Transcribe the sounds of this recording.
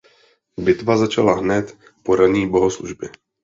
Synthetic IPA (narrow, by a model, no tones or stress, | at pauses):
bɪt̪vazat͡ʃalaɦnɛt̪ | po̞ɾaɲiːbo̞ɦosluʒbjɛ